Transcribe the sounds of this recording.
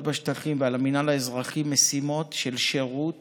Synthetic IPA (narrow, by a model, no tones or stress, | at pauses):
tbaʃtaχimvealaminalaezʁaχimːesimo̞tʃelʃe̞ʁut